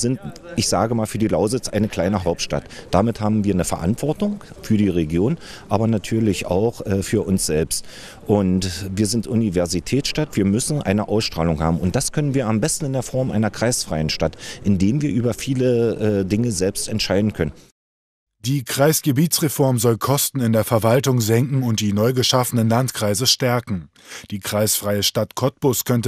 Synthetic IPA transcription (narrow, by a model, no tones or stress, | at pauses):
zɪntʔɪçz̥aːɡəmaːlfyːɐdiːlaʊzɪt͡sʔa̰ɪnəkʰl̥aɪnəɦaʊp̚tʃta̰td̥amɪthaːbm̩viːɐnəfɛɐʔa̰ntv̥ɔɐtʊŋ | fyːɐdiːʁeɡjoːnʔaːbɐnatʰyːɐlɪça̰ʊχʔɛːfyːɐʔʊnsz̥ɛlpst | ʔʊntviːɐzɪntʔunivɛɐzitʰɛːt͡ssʃtatv̥iːɐmʏsn̩ʔa̰ɪnəʔaʊsʃtʁ̥aːlʊŋha̰ːbm̩ʊnt̚d̥askʰœnənviːɐambɛstn̩ɪndeːɐfɔɐmʔa̰ɪnɐkʁ̥aɪsfʁ̥aɪənʃtatʔɪndeːmviːɐʔyːbɐfiːləʔɛːdɪŋəzɛlpstɛntʃaɪdn̩kʰœnən | d̥iːkʁ̥aɪsɡ̥əbiːt͡sʁ̥efɔɐmzɔlkʰɔstn̩ɪndeːɐfɛɐvaltʊŋzɛŋkŋ̩ʊnt̚d̥iːnɔʏɡəʃafənənlantkʁ̥aɪzəʃtɛɐkŋ̩ | d̥iːkʁ̥aɪsfʁ̥aɪəʃtatkʰɔt̚pʊskʰœntə